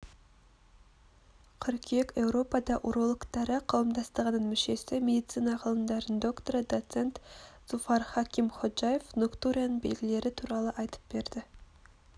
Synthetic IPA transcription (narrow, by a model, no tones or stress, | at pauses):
qʰʏɾkʲʰe̞kʲe̞wɾo̞pɑd̪ɑʔoɾo̞lˠəkt̪ɑɾəqʰɑwəmd̪ɑst̪əʁənənmʏʃe̞sɪmʲe̞d̪ijt̪sijnɑqʰəlˠəmd̪ɑɾənd̪o̞kt̪oɾəd̪o̞t̪se̞nt̪z̥ufɑɾχɑkʲimχo̞ʒaje̞fnokt̪uɾʲijanəɴbe̞lɡʲɪle̞ɾɪt̪ʰuɾɑlˠəʔɑjt̪ə̥p̚be̞ɾd̪ɪ